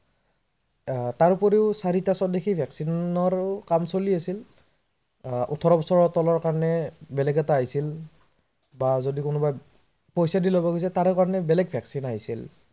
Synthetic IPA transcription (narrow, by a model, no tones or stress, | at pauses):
taɹupɔɹeʊsaɹitasɔt̚dexʰibʱɛksinɔɹkamsoliasil | ʔṵtʰɔɹɔbɔsɔɹɔtɔlɔɹkaɹɔnɛbɛlɛɡɛtaːɦisil | bazodikʊnʊbaj | pɔjsadilɔbaɡojs̬ɛtaɹɛkaɹɔnɛbɛlɛɡ̚bʱɛksinaɦisḭl